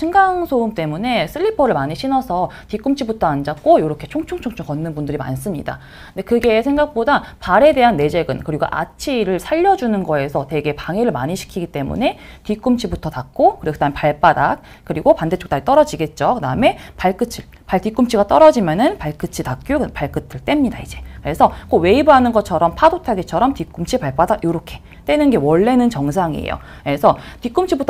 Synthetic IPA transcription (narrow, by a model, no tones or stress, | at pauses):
iŋɡaŋsʰoumt͈e̞mune̞sʰɯʎːipʰʌɾɯɭmaɲiɕʰinʌsʰʌtik͈umt͡ɕʰibutʰʌand͡ʑak̚k͈ojoɾʌkʰe̞t͡ɕʰoŋt͡ɕʰoŋt͡ɕʰoŋt͡ɕʰoŋkʌnːɯnbundɯɾima̰ns͈ɯmɲḭda̰ | ndekɯɡe̞ːsʰe̞ŋɡak̚p͈odapaɾe̞de̞ɦanːe̞d͡ʑe̞ɡɯnkɯɾiɡo̰ʔa̰t͡ɕʰiɾɯɭsʰaʎːʌd͡ʑunɯnɡʌe̞sʰʌte̞ɡe̞paŋeɾɯɭmaɲiɕʰi̥kʰiɡit͈e̞mṵnetik͈umt͡ɕʰibutʰʌtak̚k͈okɯɾikɯdamepaɭp͈adak̚ | k͈ɯɾiɡopandet͡ɕ͈o̥kt͈ait͈ʌɾʌd͡ʑiɡe̞t̚t͡ɕ͈okɯdaɯme̞paɭk͈ɯt͡ɕʰi | paɭt͈ik͈umt͡ɕʰiɡat͈ʌɾʌd͡ʑimjʌnɯnpaɭk͈ɯt͡ɕʰitak̚k͈jokpaɭk͈ɯtʰɯɭt͈e̞mɲidaid͡ʑe̞kɯɾe̞sʰʌk͈owe̞ibuɦanɯnɡʌt̚t͡ɕʰʌɾʌmpʰadotʰaɡet͡ɕʰʌɾʌmtik͈umt͡ɕʰipaɭp͈adakjoɾokʰe̞ | t͈e̞nɯnɡe̞wʌɭːe̞nɯnt͡ɕʌŋs̬ʰaŋḭḛjo̰ | je̞sʰʌtik͈umt͡ɕʰibutʰ